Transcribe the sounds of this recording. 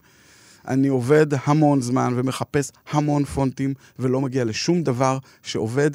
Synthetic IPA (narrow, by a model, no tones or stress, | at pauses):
ʔa̰nio̞ve̞dhamo̞nzmanve̞me̞χape̞shamo̞nfo̞ntim | velo̞maɡiale̞ʃumd̪avaʁ | ʃeo̞ve̞d̪